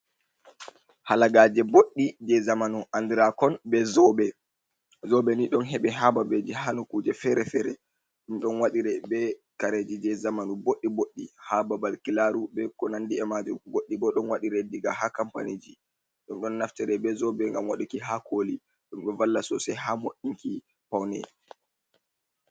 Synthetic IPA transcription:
halaɡaːd͡ʒɛboɗːid͡ʒɛzamanuʔandiɾakɔnbɛzɔbɛ | zɔbɛniɗɔnɦɛɓɛɦababed͡ʒihanukuːd͡ʒɛfɛɾɛfɛɾɛ | ɗumɗɔnwaɗiɾɛbɛkaɾed͡ʒid͡ʒɛzamanuboɗːiboɗːihababalkilaɾubɛkɔnandiɛmad͡ʒuɡoɗːibɔɗɔnwaɗiɾɛdiɡahakampa̰nid͡ʒi | ɗumɗɔnːaftɛɾɛbɛzɔbɛŋɡamwaɗukiɦakoli | ɗumɗɛvalːasɔsɛjɦamoɗiŋki | pawnɛ̰

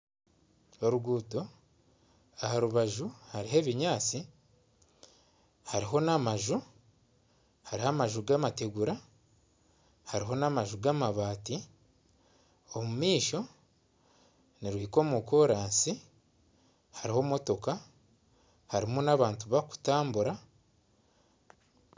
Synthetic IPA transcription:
oɾuɡuːto | ahaɾuβaʒuhaɾiɦe̞ːβiɲaːt͡si | haɾiɦo̞namaʒu | haɾiɦamaʒuɡamate̞ɡuɾa | haɾiɦo̞namaʒuɡamaβaːti | o̞mumiːʃo̞ | niɾwiko̞ːmuko̞ːɾaːnsi | haɾiho̞ːmo̞to̞ka | haɾimunaβaːntuβaku̥taːmbuɾa

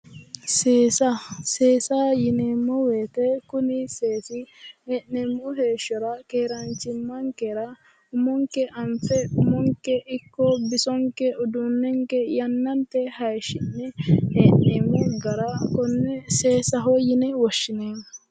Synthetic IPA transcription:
seːsɐseːsajɪneːmːɔweːt̪ɛkʊnɪseːsɪɛʔnɛmːɔɦe̞ːʃːɔɾɐkeːɾɐnt͡ʃːɪmːɐŋkɛɾɐ | ʊmɔŋkɛʔɐmfɛʊmɔŋkɛʔɪkːɔbɪsɔŋkːɛɔd̪ʊnːɛŋkɛjɐnːɐnt̪ɛhɐjʃɪnːɛheʔneːmːɔɡɐɾɐkɔnːɛseːsɐɦɔjɪnɛwɔʃːɪneː

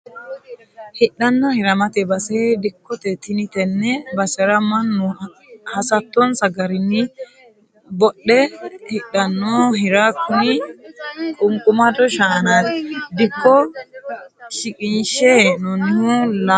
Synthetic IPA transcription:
hɪɗɐnːɔhɪɾɐmɐt̪ɛbɐsɛd̪ɪkːɔt̪ɛt̪ɪnɪt̪ɛnːɛbɐsɛɾɐmɐnːu | hɐsɐt̪ːɔnsɐɡɐɾɪnːɪ | bɔɗːɛhɪɗɐnːɔɦɪɾakːʊni | kʼʊŋkʼʊmɐd̪ɔʃaːnaːt̪ɛd̪ɪkːɔ | ʃɪkʼɪnʃɛnɔnːɪhula

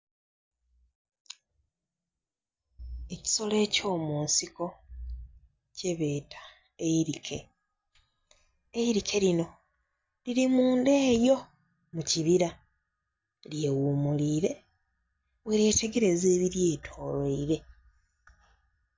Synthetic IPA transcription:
e̞ci̥so̞le̞ːco̞ːmuːnsiko̞ | ce̞βe̞ːtʰḁ | eiɾikʰe̞̰ | eiɾikʰe̞ɾino̞ | liɾimuːnde̞ːjo̞ | muciβiɾa | lje̞wuːmuliːɾe̞ | weɾe̞ːte̞ɡe̞ɾe̞ze̞ːβiɾje̞ːtʰo̞ːleiɾe̞

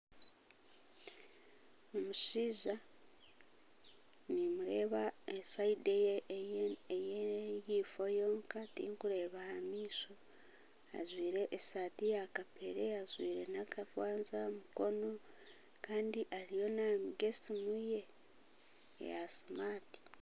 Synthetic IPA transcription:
omuʃiːza | nimuɾe̞ːβaesaideje | ejeijiːfo̞jo̞ːŋkatḭːŋkuɾe̞ːβahamiːso | a̰zwiːɾe̞ʔːsatijakapeɾe̞azwḭːɾe̞̰nakavwaːnzamuko̞no̞ | kaːndiʔaɾijo̞namiɡe̞simuje̞ | jasimaːti̥

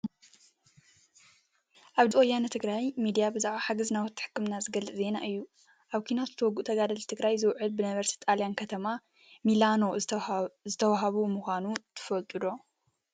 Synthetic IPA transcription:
ʔaβd̪ɨʔojanɐt̪ʰɨɡɾajmid̪ijabɨzaʕaħaɡɐznawɔt̪ʰːɨ̥ħɨ̥kːɨmnazɨɡɐlːɨʔze̞naʔɨjːu | ʔaβkʰinat̪zɨt̪ʰɐwɔɡuʔt̪ʰɐɡad̪ɐlt̪ʰɨɡɾajzɨwʕɨlbɨnɐβɐɾsit̪ʼaljankʰɐt̪ʰɐma | milano̞ | zɨt̪ʰɐwaɦaβumuxʷanut̪ʰɨ̥fɐlt̪ʼud̪o̞

